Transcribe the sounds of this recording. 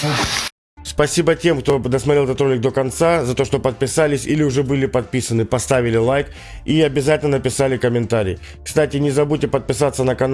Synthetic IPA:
spɐsʲibətʲe̞mkt̪o̞d̪əsmɐt̪ɾilˠɛt̪ət̪ɾo̞lʲɪk̚d̪okɐnt̪sazɐt̪o̞ʂt̪o̞pət̪̚pʲɪsalʲɪsʲilʲɪʊʐɛbɨlʲɪpɐt̪̚pʲisənɨpɐst̪avʲɪlʲɪlˠajk | iɐbʲɪzatʲɪlnənəpʲɪsalʲɪkəmʲɪnt̪aɾʲɪ̰j | kst̪atʲɪnʲɪzɐbutʲɪpət̪̚pʲɪsat̪sənəkɐn

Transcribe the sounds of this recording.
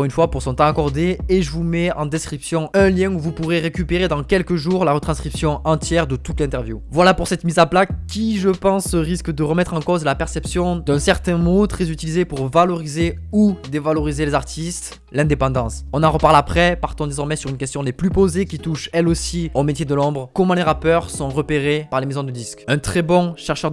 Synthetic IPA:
ʁynfwapuʁsɔ̃t̪ɑ̃akɔʁd̪eːʒəvumɛɑ̰̃d̪ɛskχipsjɔ̃ɛ̃ljɛ̃uvupuʁeʁekʲypeʁed̪ɑ̃kʲɛlkəʒuʁlaʁət̪χɑ̃skχipsjɔ̃ɑ̃t̪jɛʁd̪ət̪ut̪lɛ̃t̪ɛʁvjṵvwalapuʁsɛt̪mizaplakkʲːiʒəpɑ̃sʁiskd̪əʁəmɛt̪χɑ̃kɔzlapɛʁsɛpsjɔ̃d̪ɛ̃sɛʁt̪ɛ̃mot̪χɛzyt̪ilizepuʁvalɔʁizeud̪evalɔʁizelezaʁt̪ʰist̪ | lɛ̃d̪epɑ̃d̪ɑ̃sɔ̃nɑ̃ʁəpaʁlapχɛpaʁt̪ɔ̃d̪ezɔʁmɛsyʁynkʲɛst̪jɔ̃leplypozekʲit̪uʃɛlosiomet̪jed̪əlɔ̃bʁkɔmɑ̃leʁapœʁsɔ̃ʁəpeʁepaʁlemezɔ̃d̪əd̪iskɛ̃t̪χɛbɔ̃ʃɛʁʃœʁ

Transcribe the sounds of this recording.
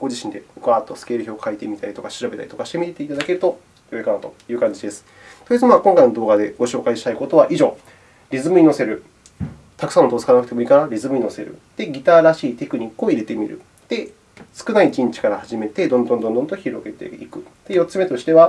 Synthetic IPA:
ɡ̥o̞d͡ʑiɕĩnd̪e̞okat̪ːo̞sɨ̥ke̞ːɾɯ̟çʲo̞ːkʰait̪e̞mʲit̪aɾit̪okaɕiɾabe̞t̪a̰ɾʲit̪o̞kaɕi̥t̪e̞mʲitet̪e̞it̪ad̪ake̞ɾɯ̟t̪o̞ | joekanat̪o̞jɯ̟ːkãɲ̟d͡ʑid̪e̞sɨ̥ | t̪ojit͡sɨmakõŋkaino̞d̪o̞ːɡad̪eɡ̥o̞ɕo̞ːkaiɕi̥t̪aiko̞t̪o̞βaʔiʑo̞ː | ɾʲizɨmɯ̟ɲʲino̞se̞ɾɯ̟ | t̪akɯ̥sãnot̪oːse̥ɨ̥kanakɯ̟̥t̪e̞mo̞ikanaɾʲizɨmɯ̟ɲino̞se̞ɾɯ̟̰d̪̥e̞ɡʲit̪aːɾaɕiːt̪e̞kɯ̟ɲ̟ikːɯo̞iɾe̞t̪e̞mʲḭɾɯ̰ | d̪̥e̞ | sɨ̥kɯ̟naikĩɲ̟t͡ɕi̥kaɾahaʑime̞t̪e̞d̪õnd̪ond̪ond̪õ̞nt̪oçiɾo̞ɡe̞t̪e̞̰ikɯ̟d̪̥e̞jo̞t͡sːɨme̞t̪o̞ɕi̥t̪e̞βa

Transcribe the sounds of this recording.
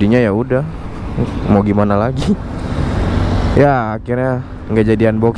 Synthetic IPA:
iɲajaudah | moɡimanalaɡi | jaːkirɲa | ŋɡad͡ʒadianbɔk

